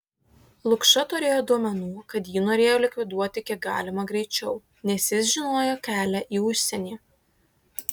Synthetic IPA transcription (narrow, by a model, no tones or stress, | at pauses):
lˠʊkʃɐt̪ʊɾʲeːjoːd̪uɔmʲɛnuːkɐt̪jiːnoːɾʲeːjoːlʲɪkʲʋʲɪd̪uɔt̪ʲɪkʲiɛɡɑ̰ːlʲɪmɐɡɾʲɛɪt͡ʃʲɛʊ | nʲɛsʲjɪsʒʲɪnoːjoːkʲæːlʲæʔiːʊʃʲsʲɛnʲiː